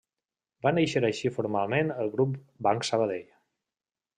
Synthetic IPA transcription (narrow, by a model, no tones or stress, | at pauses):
banejʃəɾəʃifuɾmalˠmenəlˠɣɾup | baŋksəβəðeʎ